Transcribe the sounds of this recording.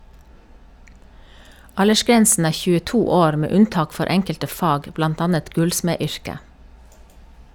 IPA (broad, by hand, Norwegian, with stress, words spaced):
ˈɑləʃˌɡɾɛnsn̩ ˈæː çʉːəˈtuː ˈoːɾ ˈmeː ˈʉnˌtɑːk ˈfɔɾ ˈʔɛŋkəltə ˈfɑːɡ ˈblɑnt ˈɑːnət ˈɡʉlsmeːˌʏɹkə